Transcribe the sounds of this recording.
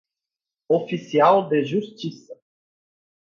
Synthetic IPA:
ofisialˠd̪ɛʒust̪ʲisə

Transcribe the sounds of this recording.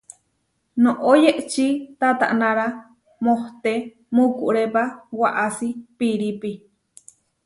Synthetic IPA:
nõʔojeʔt͡ʃit̪at̪a̰ʔnãɾa | moht̪e | mukuʔɾepawaʔasipiɾipi

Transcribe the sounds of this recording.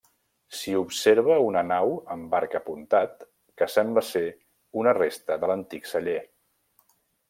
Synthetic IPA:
siupseɾβəunənawəmbaɾkəpunt̪at̪̚ | kəsɛmbləse | unərest̪əðələnt̪iksəʎe

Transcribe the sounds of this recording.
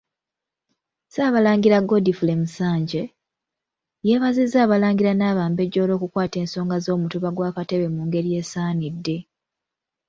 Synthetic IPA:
saːβalaːŋɡiɾaɡo̞difule̞musaːɲɟe | je̞ːβazizːaːβalaːŋɡiɾanaːβaːmbe̞ɟːo̞ːlo̞ːkukwaːte̞ːnso̞ːŋɡazo̞ːmutuβaɡwaːkate̞βe̞muːŋɡe̞ɾije̞ːsaːnidːe̞

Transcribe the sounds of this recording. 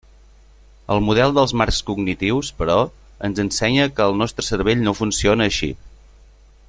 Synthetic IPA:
əlˠmuð̞ɛlˠd̪əlˠzmarkskuɡnit̪iwspəɾɔ | ənzənsɛɲəkəːlˠnɔst̪ɾəsəɾβeʎnofunsionəːʃḭt̪̚

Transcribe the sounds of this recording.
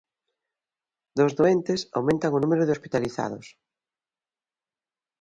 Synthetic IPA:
d̪ozðoent̪ɪsa̰wmẽnt̪aŋʊnũmeɾʊðɪospit̪aliθa̰ðʊ̰s

